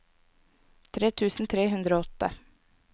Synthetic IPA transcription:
t̪ʰɾeːt̪ʰʉːsn̩t̪ʰɾeːɦʉnd̪ɾoːɔt̪ə̰

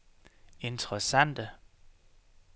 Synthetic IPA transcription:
e̝nt͡sʰʁɛsæn̰d̥ə

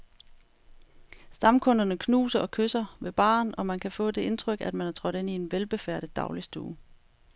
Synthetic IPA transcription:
sd̥ɑ̈mkʰɔ̽nɐnəkʰnṵːsɐʔɒ̽kʰøsɐʋe̝b̥ɑ̰̈ːnɒ̽mænkʰæfɔ̰̽ːd̥e̝ʔe̝nt͡sʰʁœɡ̥æd̥mænhæɐt͡sʰʁɒ̽ɾ̥e̝nie̝nʋelb̥e̝fæɐɾ̥ðˠd̥ɑ̈ʊlisd̥ṵː

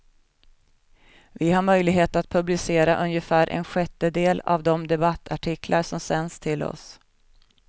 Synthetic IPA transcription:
vɪɦaɾmœjlɪɡɦeːt̪at̪̚pʰɵblɪseːɾaʔɵnjəfæːɾʔɛ̰nɧɛt̪ːəd̪eːla̰vd̪ɔmd̪ɛbat̪ːaʈʰɪkʰlʔaɾʂɔmsɛnst̪ʰɪlɔ̰s

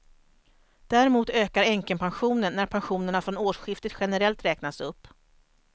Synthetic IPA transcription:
d̪̥æɾɪmuːt̪øːkaɾɛŋkənpʰanɧuːnənːæɾpʰanɧuːnəɳafɾɔnoːʂɧɪft̪ət̪ɧɛnəɾɛlt̪ɾɛːknasɵpː

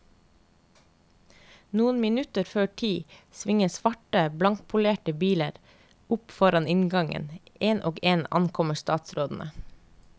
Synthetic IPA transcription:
nuːənmɪnʉt̪əɾføːʈʰiːsʋɪŋəsʋɑʈəblɑŋkpʰʊleːʈəbiːləɾ | ʊpfɔɾɑnɪnɡɑŋə̰nʔeːnʔoːɡeːnɑ̰nkʰɔməst̪ɑːt̪sɾoːd̪n̩ʔə̰

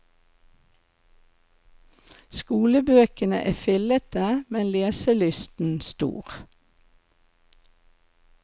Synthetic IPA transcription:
skuːləbøːkənə̰ʔæːfʏlət̪əmɛnleːsəlʏst̪n̩st̪ṵːʁ

